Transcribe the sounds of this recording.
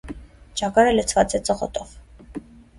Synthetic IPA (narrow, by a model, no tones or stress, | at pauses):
d͡ʒaɡaɾɛlɛt͡sʰvat͡sʰɛt͡sʼəʁɔt̪ʼɔv